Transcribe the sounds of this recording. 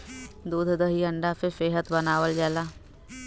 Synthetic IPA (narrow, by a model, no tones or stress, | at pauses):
d̪uːd̪ʱd̪əɦiəɳɖafɪfeːɦət̪bənaːʋəld͡ʒaːlaː